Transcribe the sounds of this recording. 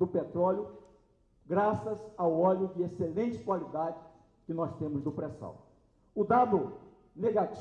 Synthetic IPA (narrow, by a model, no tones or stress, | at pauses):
d̪ʊpet̪ɾɔljʊ | ɡɾasɐzawɔlʊd͡ʒɪeselẽnt͡ʃɪ̥kwalid̪ad͡ʒɪ | kɪnɔst̪ẽmʊzd̪ʊpɾesɐ̰̃w̃ | ʊd̪ad̪ʊ | neɡat͡ʃ